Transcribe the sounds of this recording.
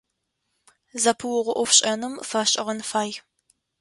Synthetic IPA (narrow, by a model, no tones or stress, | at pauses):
zɐpʰɨwʊʁʷʊʔʷɔfɕʼɐnɨmfɐɕʼɪʁɐnfaːj